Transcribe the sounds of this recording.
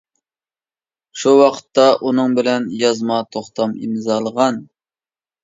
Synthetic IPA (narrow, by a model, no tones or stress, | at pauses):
ʃuwɑqʰə̥t̪ːɑʔunɨŋbɪlɛnjɑzmɑt̪ʰoχt̪ʰɑmḭmzɑlˠəʁɑn